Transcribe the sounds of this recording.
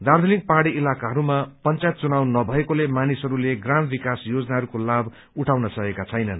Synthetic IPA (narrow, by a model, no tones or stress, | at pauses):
d̪ard̪ʱulik̚paɽiːlakaɦʌɾumapʌnt͡sajt̪̚t͡sunawnʌbʱʌekolemanisɦʌɾuleɡrambikasjod͡znaɦʌɾukolabʱ | uʈʰawnʌsʌɦekat͡sʰʌjnʌn